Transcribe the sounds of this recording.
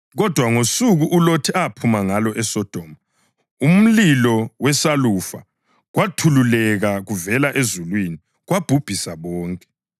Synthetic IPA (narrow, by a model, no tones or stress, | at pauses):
ɣɔd̥ʱwaŋosuɣuʔulotʰiapʰumaŋalɔʔɛsɔd̥ʱɔːma | um̩lilɔwɛsalufa̰ | ɣwatʰululɛɣaɣuvɛlaʔezulwini | ɣwab̥ʱub̥ʱisaβɔːŋkʼɛ